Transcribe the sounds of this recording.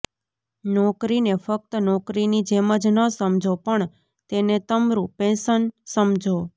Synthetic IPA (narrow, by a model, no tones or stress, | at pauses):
nɔkɾinefək̚t̪ənɔkɾinid͡ʒeməd͡ʒnəsəmd͡ʒʱopəɳ | t̪enet̪əmɾũpẽsənsəmd͡ʒʱo